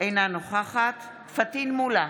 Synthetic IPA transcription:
ʔejnanoχaχat̪ | fat̪inmula

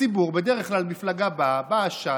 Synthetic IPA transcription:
ibuʁbed̪eʁeχklalmiflaɡababaːʃa

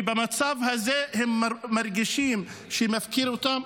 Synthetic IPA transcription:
bamat͡savhazehemːaɾɡiʃimʃeemafkiɾot̪am

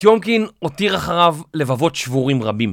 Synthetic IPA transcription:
t̪jomkino̞t̪iʁaχaʁavle̞vavo̞tʃvuʁimʁabim

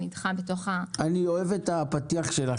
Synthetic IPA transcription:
nidχabetoχaanio̞evetapatiaχʃe̞la

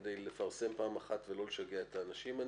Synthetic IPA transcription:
d̪ejlefaʁse̞mpaːmaχat̪velo̞leʃaɡeaet̪aːnaʃiman

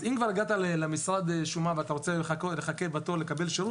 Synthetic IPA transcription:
zimkvaɾiɡat̪alelemisʁad̪eʃumaveat̪aʁot͡sekleχakebat̪o̞lekabelʃeɾut

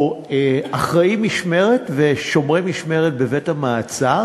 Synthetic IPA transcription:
eaχʁaimiʃme̞ʁetveʃo̞mʁemiʃme̞ʁet̪̚bevethamaːt͡sa

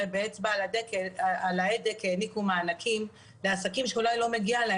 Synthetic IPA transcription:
ebeet͡sbalad̪ekealaed̪ekeːnikumaːnakʰim | leasakimʃeulajlo̞me̞ɡiale

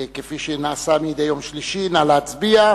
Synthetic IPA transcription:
kefiʃenaːsamijid̪ejo̞mʃliʃinalaːt͡sbia

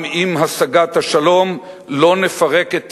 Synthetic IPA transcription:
imɦasaɡat̪haʃalo̞m | lo̞nefaʁe̞ket̪

